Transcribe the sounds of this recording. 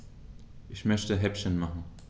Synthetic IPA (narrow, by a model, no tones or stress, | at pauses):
ʔɪçmœçtəɦɛpʃənmaχn̩